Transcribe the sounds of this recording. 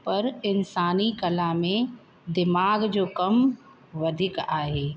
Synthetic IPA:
pɐɾɪnsaːnikɐlamẽ | d̪ɪmaːɡd͡ʒoːkɐm | ʋɐd̪ʱɪkaːɦeː

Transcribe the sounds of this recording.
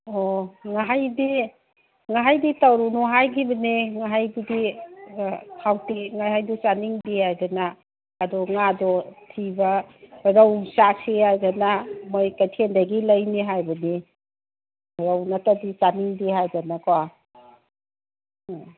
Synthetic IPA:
ɔŋaɦajdi | ŋaɦajditawɾunɔɦajkʰibɐniŋaɦajdidi | hawtiŋajɦajdusaniŋdihajdanaː | dɔŋadɔtʰibaɾawnsasihajdanamojkajtʰendaɡilɐjniɦajbɐni | ɾawnatadisaniŋdihajdanakawa

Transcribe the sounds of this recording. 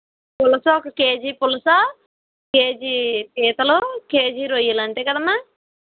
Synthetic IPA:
pulɐsɐɔkɐkeːd͡ʒipulɐsa | keːd͡ʒipiːt̪ɐloke̞ːd͡ʒiɾojːilɐɳʈeːkɐd̪ɐmːaː

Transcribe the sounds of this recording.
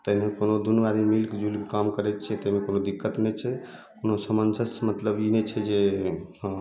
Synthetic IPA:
t̪əɦimekonod̪unəbad̪ʱimilkd͡ʒulkekamkəɾɛt̪t͡ʃʰɛt̪əɦmekonod̪ikːət̪nɛt͡ʃʰɛ | konosəmənsəsmət̪ləbinɛt͡ʃʰɛd͡ʒẽ

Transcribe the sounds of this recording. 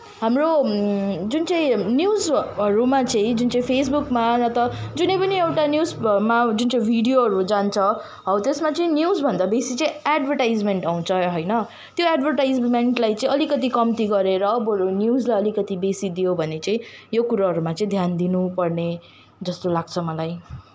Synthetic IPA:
ɦamro | d͡zunt͡sʌĩnjuzʌɾumat͡sãĩd͡zunt͡saĩpʰes̬bukmanʌt̪ʌd͡zunejpʌniewʈanjuzmad͡zunt͡sʌĩbʱiɽijoɦʌɾud͡zant͡sʰʌ | ɦʌwt̪esmat͡sʌĩnjuzbʱʌnd̪abesit͡sʌ̃ĩaɖbʱʌrʈajd͡zmeɳʈaw̃t͡sʰʌɦʌjnʌ | t̪joaɖbʱʌrʈajd͡zmeɳʈlajt͡sʌ̃ĩʌlikʌt̪̬ikʌmt̪iɡʌɾeɾʌːbɦʌɾunjud͡zlajʌlikʌt̪ibesid̪ijobʱʌnet͡sʌ̃ĩjokuɾaɦʌɾumat͡sʌĩd̪ʱjand̪inupʌrne | d͡zʌst̪olaɡ̚t͡sʰʌmʌlaj

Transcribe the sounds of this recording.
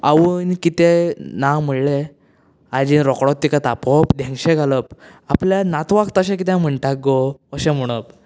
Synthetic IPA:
a̰ʋuːnkit̪enawm̤əɭle | ad͡ʑinɾɔkɽɔt̪ːikat̪apɔpd̪ʱẽŋɡɕẽɡʱaləp̚ | apljanat̪ʋakt̪əɕẽk̬it̪ɛ̃m̤əɳʈak̚ɡoəɕẽm̤əɽ̃əp̚

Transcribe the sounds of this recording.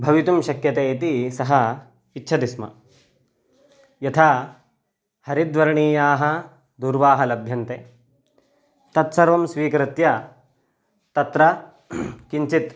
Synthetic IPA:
bʱɐʋit̪umʃɐkjɐt̪eːt̪isɐɦɐ | itːʃʰɐd̪ismɐ̰ | jɐt̪ʰaː | hɐɾid̪ʋɐɾɐɳiːjaːɦɐ | d̪uːɾʋaːɦɐlɐbʱjɐnt̪eː | t̪ɐt̪sɐɾʋɐmsʋiːkɾit̪jɐ | t̪ɐt̪ɾɐ | kiɲt͡ʃit̪

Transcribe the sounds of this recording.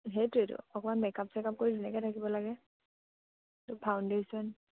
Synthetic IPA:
ɦetejtʊ̰ɔkɔmanmɛkapsɛkap̚koɹizɛnɛkɛtʰakibɔlaɡɛ | tʊpʰawndesɔn

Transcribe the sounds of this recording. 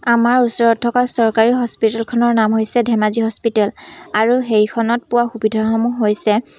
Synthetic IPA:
amaɹusɔɹɔtʰːɔkasɔɹkaɹiɦɔspitɛlkʰɔnɔɹnamɦojsɛdʱɛmaziɦɔspitɛlaɹuɦejkʰɔnɔt̚pʊwaxubidʱɔɦɔmuɦojsɛ

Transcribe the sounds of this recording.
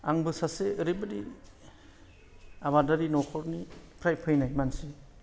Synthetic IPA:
aŋbɯsaseɯɾibɯdḭ | aβadaɾinɔkʰɔɾnipʰɾajpʰɯjnajmansi

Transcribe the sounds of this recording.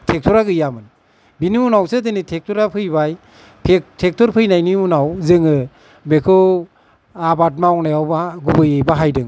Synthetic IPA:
tʰek̚tʰɔɾaɡɯjamɯn | biniunawsɯdenitʰek̚tʰɔɾapʰɯjβaj | pʰtʰek̚tʰɔɾpʰɯjnajniunawzɯŋɯ | bekʰɯw | abat̬̚mawnajawbaɡubɯjejbaɦajdɯŋ

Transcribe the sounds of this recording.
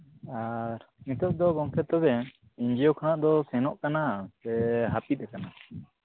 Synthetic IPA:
aɾmit̪ɔʔ̚d̪ɔɡɔŋk̪ʰɛt̪ɔbɛ | iɲd͡ʒijokʰanaʔd̪ɔsɛnɔʔkanasɛɦapit̪̚ɛkana

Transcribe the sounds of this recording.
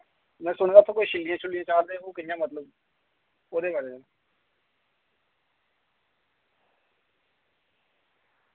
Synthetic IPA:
mɛ̃ːsʊɳ̃ːɡaːt̪ʰːãkoːiːʃɪlːijãːt͡ʃʰʊlːijãːt͡ʃaːɾd̪eːoːkɪɪjãːmət̪ləb | oːd̪eːbaːɾeːd͡ʒeː

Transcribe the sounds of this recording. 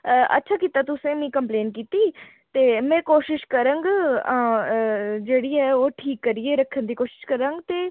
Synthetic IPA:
ʔə̰tːʃʰaːkiːt̪aːt̪ʊsẽːmĩːkəmpleːnkiːt̪iː | t̪eːmɛ̃ːkoːʃɪʃkəɾə̃ŋɡãː | d͡ʒeːɽiːɛːoːʈʰiːkːəɾieːɾəkʰːənd̪iːkoːʃɪ̥ʃkəɾə̃ŋɡt̪eː

